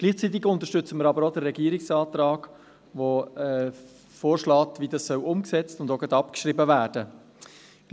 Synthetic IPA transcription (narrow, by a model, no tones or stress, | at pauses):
ɡ̥liːχt͡sit̬ɪɡʊntəʃtʏt͡səməɾɑbəɾodəːɛɡiːɾɪksɑːtɾɑːɡ̥ | voɛ | foːɾʃlɑːtviːdɑssœlʔʊmksɛt͡stʊndoɡɛtɑpkʃɾibəvæːd̥ə